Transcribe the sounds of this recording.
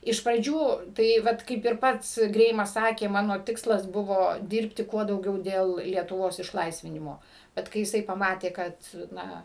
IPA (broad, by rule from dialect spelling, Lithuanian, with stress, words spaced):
ɪʃ prɐˈd͡ʒʲuː tɐɪ ˈʋɐt kɐɪp ɪr ˈpɐts ˈɡrʲɛɪmɐs ˈsɑːkʲeː ˈmɑːnoː ˈtʲɪkslˠɐs ˈbʊʋoː ˈdʲɪrʲpʲtʲɪ ˈkuɔ dɐʊˈɡʲɛʊ dʲeːlˠ lʲiɛtʊˈʋoːs ɪʃˈlˠɐɪsʲʋʲɪnʲɪmoː ˈbʲɛt kɐɪ jɪˈsɐɪ pɐˈmɑːtʲeː ˈkɐt ˈnɐ